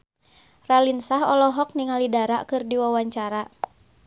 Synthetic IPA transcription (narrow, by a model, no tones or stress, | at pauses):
ralinsaɦɔlɔɦɔk̚niŋalidaɾa̰kɨrdiwawaɲt͡ʃaɾa